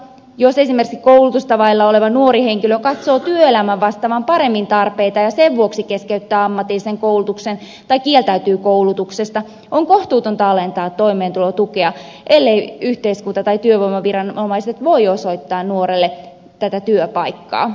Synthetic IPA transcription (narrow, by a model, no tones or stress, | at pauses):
josesimerkiskoulut̪ust̪ɑʋɑilːɑoleʋɑnuoɾiheŋkiløkɑt̪so̞ːt̪yøelæmæʋːɑst̪ɑʋɑmpɑɾemːint̪ɑrpeit̪ɑjɑseʋʋuoksikeskeyt̪ːæːɑmːɑt̪ːˑilːiseŋkowlut̪uksen | t̪ɑikielt̪æyt̪yːkoulut̪uksest̪ɑ | oŋkoht̪uːt̪ont̪ɑɑlent̪ɑːt̪t̪ːo̞imeːnt̪ulot̪ukeɑ | ʔelːeiyht̪eiskunt̪ɑt̪ɑjt̪yøʋoimːɑʋirɑnomɑiset̪ʋo̞joso̞it̪ːɑːnnuoɾelːe | t̪æt̪æt̪yøpɑjkːɑ̰ː